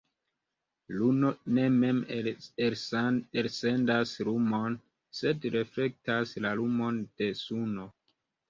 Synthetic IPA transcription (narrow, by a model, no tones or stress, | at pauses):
luno̞ne̞me̞meelse̞ndasɾumo̞n | se̞dɾe̞fle̞k̚taslalumo̞nd̥e̞suno̞